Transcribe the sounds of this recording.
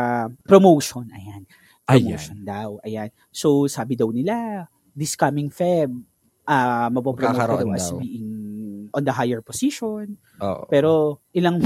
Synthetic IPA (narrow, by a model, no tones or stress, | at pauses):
pɾomowʃonʔɐ̰jan | pomwʃond̪ɐwʔɐjan | sowsaːbɪd̪ɐwnɪla | d̪ɪskɐmɪŋfɛb̚ | ʔɐmɐpopɾoowtɛdd̪ɐwɐsbiːʔɪŋʔɔ̃nd̪ɐɦajɛɹposiʃon | pɛːɾoʔɪlɐŋ